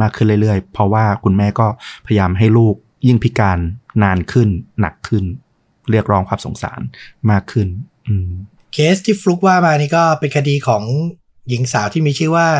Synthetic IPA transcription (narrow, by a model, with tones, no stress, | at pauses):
maː˥˩kʰːɯ˥˩nɾɯ˥˩jɾɯ˥˩əjpʰɾɔ˧˥waː˥˩kʰu˧nmɛː˥˩kɔː˥˩pʰa˧jjaː˧mɦa˥˩jluː˥˩k̚ | ji˥˩ŋpʰi˦˥kaː˧nːaː˧nkʰɯ˥˩nːa̰˨˩kʰːɯ˥˩n | ɾɯ˥˩ək̚ɾɔː˦˥ŋkʰwaː˧˩mso̰˨˩˦ŋsa̰ː˩˦nmaː˥˩kʰːɯ˥˩nʔɯː˧˩ | kʰeː˦˥st̪ʰiː˥˩flu˦˥k̚waː˥˩maː˧niː˥kɔː˥˩pe˧nkʰa˧diː˧kʰɔː˩˦ŋ | ji˨˩˦ŋsaː˩˦wt̪ʰiː˥˩miː˧t͡ɕʰɯː˥˩waː˥˩